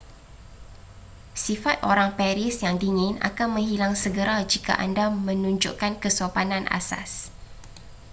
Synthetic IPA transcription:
sifat̪̚ʔoɾaŋpɛɾisjaŋdiŋɪ̃na̰kanmə̃ŋɦilaŋsəɡəɾad͡ʒika̰ʔa̰ndamə̃nũɲd͡ʒṵʔkankəsopanãnʔa̰sa̰s

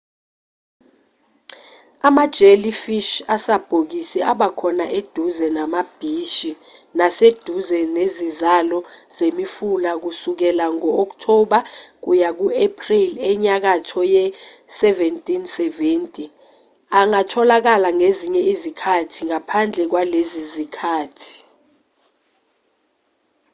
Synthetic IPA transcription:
amad̥ʒ̥ʱelifiʃasab̥ʱok̬isɛʔaɓakʰɔnaʔed̥ʱuzɛnamab̥ʱiʃi | nased̥ʱuzɛnezizalɔz̥emifulak̬usuk̬ɛlaŋɔɔk̬tʰɔɓak̬ujak̬uepʰʼrilɛɲak̬atʰɔjɛsɛvɛntʼinsɛventʼi | aŋatʰɔlak̬alaŋeziɲɛizikʰatʰiŋapʰand͡ɮʱɛk̬walezizikʰaːtʰi̥

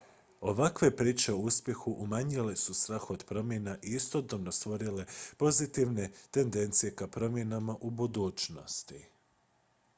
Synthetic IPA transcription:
o̞ʋakʋe̞pɾiːt͡ʃe̞o̞uspje̞xuʔumaɲile̞sust̪ɾaːxod̪pɾo̞mje̞naʔiist̪o̞d̪obno̞st̪ʋo̞ɾile̞po̞zit̪iʋne̞t̪e̞nd̪e̞nt̪sije̞kapɾo̞mje̞namaʔubud̪uːt͡ʃno̞̰st̪i

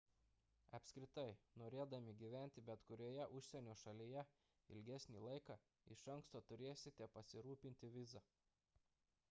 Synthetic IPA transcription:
ɐpʲsʲkɾʲɪt̪ɐɪnoːɾʲeːd̪ɐmʲɪɡʲiːʋʲæˑnʲt̪ʲɪbʲɛt̪kʊɾʲoːjɛʔʊʃʲsʲɛnʲoːʃɐlʲijɛ | ɪ̰lʲɡʲɛsʲnʲiːlˠɐɪkɑː | ɪʃɐŋˑkst̪oːt̪ʊɾʲeːsʲɪt̪ʲɛpɐsʲɪɾuːpʲɪnʲt̪ʲɪʋʲɪzɐ

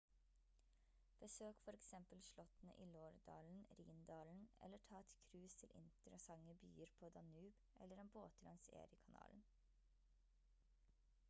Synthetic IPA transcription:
b̥əsøːkfɔɾɛksɛmpəlʃlɔt̪ənə̰ʔiːloːɾd̪ɑ̰ːln̩ɾḭːnd̪ɑːln̩ʔɛ̰lːəʈʰɑːɛt̪kʰɾʉːst̪ʰɪlʔɪ̰nt̪əɾəsɑŋəbyːəɾpʰoːd̪ɑnʉːb | ʔɛ̰lːəɾeːnboːt̪lʔɑŋsḛːɾəkʰɑnɑ̰ːln̩

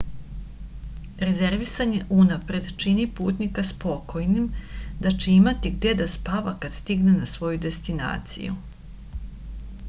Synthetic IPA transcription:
ɾe̞ze̞ɾʋisaɲe̞ʔunapɾe̞d̪t͡ʃinipuːt̪nikaspo̞ko̞jnimd̪at͡ʃeimat̪iɡd̪e̞d̪aspaʋakad̪̥st̪iɡnenasʋo̞jud̪e̞st̪ina̰ːt̪sḭjṵ

